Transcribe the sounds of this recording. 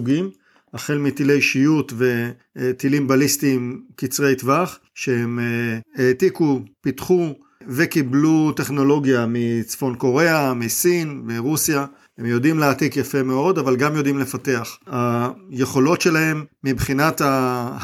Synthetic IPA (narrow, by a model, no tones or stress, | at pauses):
uɡim | aχelmit̪ilejʃijut̪ve̞ | t̪ilimbalist̪imkit͡sʁejt̪vaχ | ʃehe̞met̪ikupitχu | ve̞kiblut̪e̞χno̞lo̞ɡjamit͡sfo̞nko̞ʁe̞amisinmiʁusja | he̞mjo̞dimleat̪ikjafe̞meo̞davalɡamjo̞dimlefate̞aχajeχo̞lo̞tʃe̞laɦe̞mːibχinat̪a